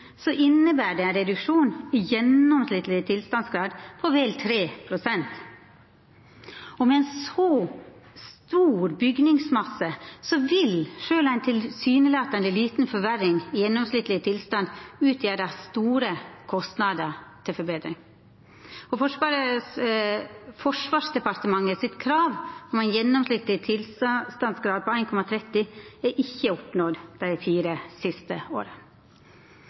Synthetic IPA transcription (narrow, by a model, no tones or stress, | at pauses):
sɔʔɪnːəbæːɖɛæɪnɾɛd̪ʉkʂuːnɪjɛnɔmslɪt̪lɪət̪ʰɪlst̪ɑnsɡɾɑːd̪pʰɔʋɛlt̪ʰɾeːpʰɾʊsɛnt̪ | ɔmɛæɪnsɔ | st̪uːɾbʏɡnɪŋsmɑsəsɔʋɪlʂøːlæɪnt̪ʰɪlsyːnəlɑːt̪ɑnd̪əliːt̪nfɔɾʋæɾɪŋjɛnːɔmslɪt̪lɪt̪ʰɪlst̪ɑnd̪ʉːt̪ʰjæːɾəst̪uːɾəkʰɔst̪nɑd̪əɾt̪ʰɪlfɔɾbeːd̪ɾɪŋ | ɔfɔʂɑɾə | fɔʂʋɑːʂd̪ɛpɑɾt̪əmɑŋːəsɪt̪kʰɾɑːʋɔmɛɪnjɛnːɔmslɪt̪lɪt̪ʰɪlsst̪ɑnd̪sɡɾɑːd̪̚pɔæɪnkʰɔmɑt̪ʰɾɛt̪ːɪæʔɪçːəɔpnɔd̪d̪̥æɪɪfiːɾəsɪst̪əo̰ːɾə